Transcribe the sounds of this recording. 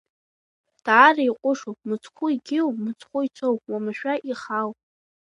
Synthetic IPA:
d̥aːraiqʷʼʊʂowpmɨt͡sʰʼχʷʊiɡʲɪwmɨt͡sʰʼχʷʊit͡sʷʰowwamaʃʷᶣaʔiχawʼ

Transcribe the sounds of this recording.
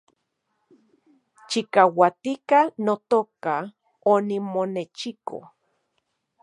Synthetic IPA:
t͡ʃikawat̪ikanot̪oka | onimonet͡ʃiko̰

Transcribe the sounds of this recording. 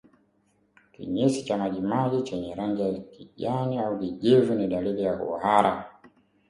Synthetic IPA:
kḭɲisit͡ʃamaʄimaʄit͡ʃɛɲɛɾaŋɡijakiʄaniaukiʄivuniɗaliðijahṵhaɾa

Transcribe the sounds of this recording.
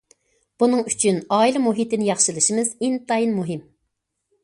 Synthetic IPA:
b̥unɨŋyt͡ʃʰynɑːilɛmuɦit̪ɪnɪjɑχʃɨlˠɨʃimɨzint̪ɑjinmuɦɪm

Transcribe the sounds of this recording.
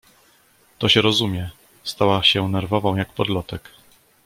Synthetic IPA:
t̪ɔɕɛɾɔzumʲjɛ | st̪awaɕɛnɛɾvɔvɔ̃w̃jakpɔd̪lɔt̪ɛk

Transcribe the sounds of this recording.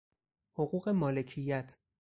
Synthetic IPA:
hoɣuːɣe̞mɒːle̞cʰijːæt̪ʰ

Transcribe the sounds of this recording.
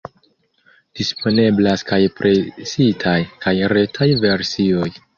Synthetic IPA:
d̥ispʰo̞ne̞blaskajpɾʔe̞sitʰajkajɾe̞tʰajve̞ɾsio̞j

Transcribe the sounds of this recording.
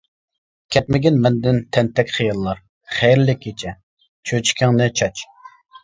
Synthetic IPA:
kʲʰɛt̪̚mɪɡʲɛnmɛnd̪ɪnt̪ʰɛnt̪ʰɛkʲχijɑlˠːɑɾ | χɛjɾlɪkʲʰːet͡ʃʰɛ | t͡ʃʰøt͡ʃʰi̥kʲɪŋnɪt͡ʃʰɑt͡ʃ

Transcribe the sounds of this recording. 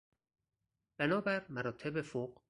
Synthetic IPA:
b̥ænɒːbæɾmæɾɒːt̪ʰe̞befoq

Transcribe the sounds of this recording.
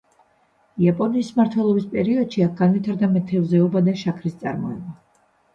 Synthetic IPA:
iapʼɔniːsmaɾt̪ʰwɛlˠɔbispʼɛɾiɔd̪̥ʃiak̚ɡ̥anvit̪ʰaɾd̪amɛt̪ʰɛvzɛɔbad̪aʃakʰɾist̪sʼa̰ɾmɔɛba

